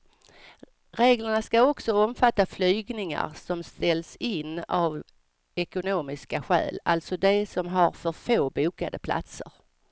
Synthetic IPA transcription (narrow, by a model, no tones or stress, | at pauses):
ɾeːɡləɳaskaɔksɔɔmfat̪ːaflyːɡnɪŋa̰ɾsɔmst̪ɛlsɪnːav | ɛkʊnoːmɪskaɧɛ̰ːlalt̪sɔd̪ɛsɔmɦaɾfœɾfoːbuːkad̪əpʰla̰t̪sə̰ɾ